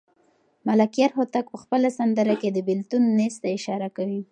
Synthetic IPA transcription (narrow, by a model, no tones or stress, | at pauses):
malakijaɾɦot̪ak̚pəxpəlasand̪əɾaked̪əbɪlt̪unːest̪aɪʃɑɾakawi